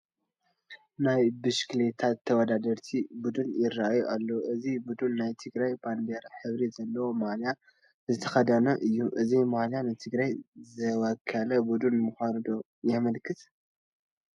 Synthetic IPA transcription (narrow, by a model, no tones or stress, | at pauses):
najbɨʃklet̪ʰat̪ʰːɐwɔd̪ad̪ɐɾt̪ʰibud̪unjɪrːaajuʔalːɐwʔɨzibud̪unːajt̪ʰɨɡɾajband̪eɾaħɨβɾizɐlːɐwomalja | zɨt̪ʰɐ̥xɐd̪ɐnɐʔɨjːuʔɨzimaljanɨt̪ʰɨɡɾajzɨwɐkʰːɐlɐbud̪unmuxʷand̪o̞ | jɛmɐlkʰɨt̪